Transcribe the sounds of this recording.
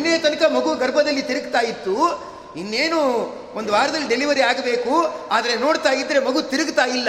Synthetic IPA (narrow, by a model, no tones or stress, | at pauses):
nːejɐt̪ɐnɐkɐmɐɡuɡɐɾbʱɐd̪ɐlːit̪iɾɨɡt̪aːjit̪ːu | inːeːnu | ond̪uʋaːɾɐd̪ɐlːiɖeliʋɐɾiaːɡɐbe̞ːkuaːd̪ɐɾeno̞ːɽt̪aːjid̪ːɐɾe̞mɐɡut̪iɾɨɡt̪aːjilːɐ